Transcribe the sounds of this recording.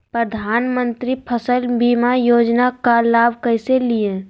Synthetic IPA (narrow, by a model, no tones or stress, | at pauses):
pɾəd̪ʱaːnmə̃nt̪ɾipʰəsəlbimajoːd͡ʒnakalaːbʱkəɪseliẽ